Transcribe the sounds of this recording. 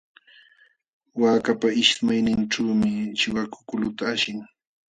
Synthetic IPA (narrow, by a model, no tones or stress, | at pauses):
waːkapaɪʃmajnɪnʈ͡ʂuːmɪt͡ʃɪwakʊ̥kʊlʊt̪aːʃɪŋ